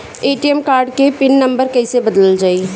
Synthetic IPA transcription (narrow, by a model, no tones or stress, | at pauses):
eːʈiɛmkaːɾɖkepɪnːɐ̃mbəɾkɛɪsebɐd̪ləld͡ʒaːi